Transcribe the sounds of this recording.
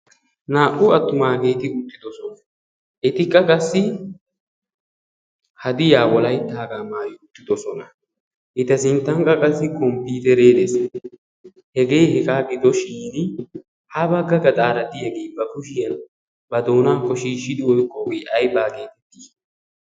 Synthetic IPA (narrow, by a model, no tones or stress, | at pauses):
naːkʼːʊɐt̪ːʊmaːɡe̞ːt̪ɪʊt̪ːɪd̪ɔsɔnɐ | ʔɛt̪ɪkʼːɐkʼɐsːɪ | hɐd̪ɪjaːwɔlɐjt̪ːaːɡamaːjɪʊt̪ːɪd̪ɔsɔnɐ | ʔɪt̪ɐsɪnt̪ːɐŋkʼɐkʼɐsːɪkɔmpiːt̪ɛɾe̞ːd̪es | hɛɡe̞ːjhɛɡaːɡɪd̪ɔʃiːnɪ | hɐbɐɡːɐɡɐt̪ʼaːɾɐd̪ɪjɐɡeːbɐkʊʃɪjɐn | bɐd̪oːnaːkːɔʃiːʃːɪd̪ɪwɔjkʼːɔɡeːʔɐjbaːɡe̞ːt̪ɛt̪ːi̥ː